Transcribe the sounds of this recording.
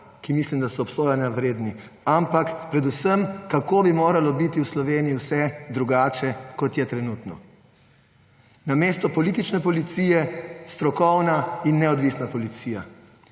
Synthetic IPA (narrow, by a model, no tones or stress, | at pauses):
kimislimd̪asɔːpsoːjanjawɾeːd̪ni | ampakpɾɛd̪usəmkakobimoːɾalɔbit̪iwslɔʋeːnijiwsɛd̪ɾuɡaːt͡ʃɛkɔt̪jɛt̪ɾɛnuːt̪nɔ̰ | nameːst̪ɔpɔliːt̪it͡ʃnɛpɔlit̪sijɛst̪ɾɔkɔwnainːɛɔd̪ʋisnapɔlit̪siːja